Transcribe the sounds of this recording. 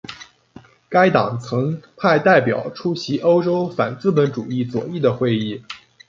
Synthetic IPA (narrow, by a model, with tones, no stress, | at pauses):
ka˥ɪt̪ɑ˨˩ŋt͡sʰɤ˧˥ŋpʰa˥˧ɪt̪a˥˩ɪpjɑ̰˨˩˦ʊʈ͡ʂʰu˥ɕi˧˥ʔo˥ʊʈ͡ʂo˥ʊfa̰˨˩nt͡sɹ̩˥˩pə˧˥nʈ͡ʂu˨˩i˥˩t͡swɔ̰˨˩i˥˩d̪ə˩xwe˥˧ɪi˥˩